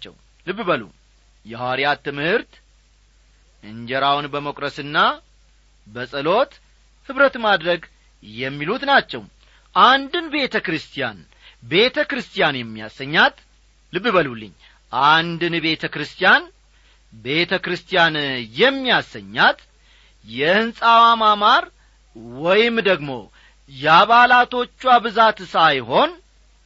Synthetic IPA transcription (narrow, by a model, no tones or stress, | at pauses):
t͡ʃːɛ̰w | lɨbːɨβəlṵ | jɛhaɾjat̪ʰɨmhɨɾt̪ | ʔɨɲd͡ʒɛɾawnbəmokʼɾəsɨnːa | bəsʼɨlo̞t̪ | hɨβɾət̪mad̪ɾəɡ | jɛmːilut̪nat͡ʃːɛwm | ʔand̪ɨnbe̞t̪ʰəkɾɨst̪ʰija̰n | be̞t̪ʰəkɾɨst̪ʰijanjɛmːija̰sːəɲːat̪ | lɨbːɨβəlulːɨ̰ɲː | ʔand̪ɨnbe̞t̪ʰəkɾɨst̪ʰijan | be̞t̪ʰəkɾɨst̪ʰijanjɛmːijasːə̰ɲːat̪ | jɛhɨnsʼawamamaɾ | wɔjɪmd̪əɡmo̞̰ | jɛaβalat̪ʰo̞t͡ʃːwabɨzat̪sajho̞n